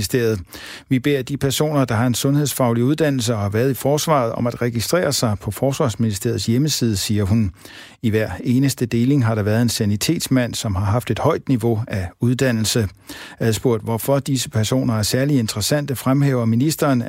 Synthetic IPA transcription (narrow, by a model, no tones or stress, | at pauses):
isd̥e̝ɐ̰ð̞̩ˠʋib̥e̝̰ɐ̰d̥ipʰæɐso̝̰ːnɐd̥ɑ̈ɦɑ̈e̝nsɔ̽nhe̝ðˠsfɑ̈ʊliuðˠd̥æn̰l̩s̬əɒ̽hɑ̈ʋæɐð̞̩ˠifɒːsʋɑ̰̈ð̞̩ˠɒ̽mæd̥ʁɛɡ̥isd̥ʁɛ̰ːɐsɑ̈ɪpʰɒ̽fɒːsʋɑ̈ːsminisd̥e̝̰ɐ̰ð̩ˠsjeməsiːð̞ˠəsiːɐɦun | iʋæɐ̰e̝ːnəsd̥əd̥e̝ːle̝ŋɦɑ̈ɾ̥ɑ̈ʋæɐð̞̩ˠe̝nsænit͡sʰe̝̰ːd̥smæn̰sɒ̽mɦɑ̈ɦɑ̈fd̥e̝d̥hɒ̽ɪ̰d̥niʋo̝æuðˠd̥æn̰l̩sə | æðˠsb̥oɐ̰d̥ʋɒfɒ̽d̥isəpʰæɐso̝̰ːnɐæɐsæɐlie̝nd̥ʁɐsæn̰d̥əfʁamɦeːʊɐminisd̥ɐːn